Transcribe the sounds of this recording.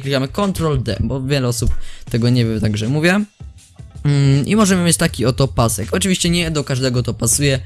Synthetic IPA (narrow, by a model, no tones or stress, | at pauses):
klʲikamɘkɔnt̪ɾɔld̪ɛ̰bɔvʲjɛlɛɔsupt̪ɛɡɔɲɛvʲjɛmt̪aɡʐɛmuvʲjɛ | ḭmɔʐɛmɘmʲjet͡ɕt̪akʲiɔt̪ɔpasɛkɔt͡ʂɨvʲiɕt͡ɕɛɲɛd̪ɔkaʐd̪ɛɡɔt̪ɔpasujɛ